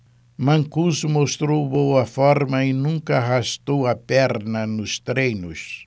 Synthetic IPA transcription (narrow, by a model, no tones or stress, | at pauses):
mɐ̃ŋkuzmost̪ɾowbowɐfɔɾmɐɪnũŋkɐhast̪owɐpɛɾnɐnʊst̪ɾejnʊs